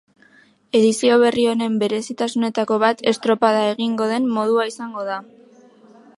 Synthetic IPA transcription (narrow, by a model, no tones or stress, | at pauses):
e̞ðisio̞β̞e̞rio̞ne̞mbe̞ɾe̞sit̪asune̞t̪ako̞βat̪e̞st̪ɾo̞paðae̞ɣiŋɡo̞ð̞e̞mːo̞ð̞uaisaŋɡo̞ða